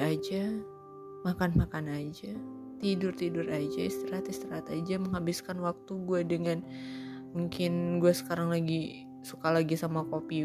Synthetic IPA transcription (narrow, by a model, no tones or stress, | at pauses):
ad͡ʒa | makanmakanad͡ʒa | t̪idʊrt̪idʊrad͡ʒaist̪əɾat̪ist̪əɾat̪ad͡ʒaməŋɦabɪskanwak̚t̪uɡuadəŋan | muŋkɪnɡuasə̥kaɾaŋlaɡi | sukalaɡisamakopi